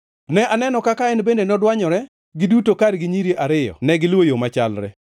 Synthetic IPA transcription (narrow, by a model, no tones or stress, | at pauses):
nɛanɛnɔkakaɛnbendenɔdwaɲɔɾɛ | ɡɪdutokaɾɡɪɲiɾjiʔaɾɪjɔ̰nɛɡɪlwojomat͡ʃalɾɛ̰